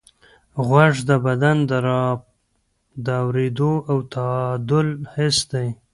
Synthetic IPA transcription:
ɣwaʐd̪əbad̪and̪əɾ | d̪əawɾed̪oawt̪ad̪əlhɪsd̪aj

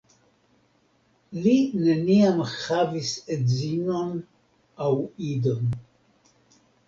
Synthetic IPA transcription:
linəniamχavisezinon | awid̪əm

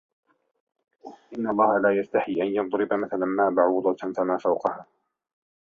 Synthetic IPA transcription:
ʔɪnːalˤːɑːhalaːjast̪aħiːʔanjɑðˤɾɪbamaθalanmaːbaʕuːd̪ˤɑt̪famaːfawqɑhaː

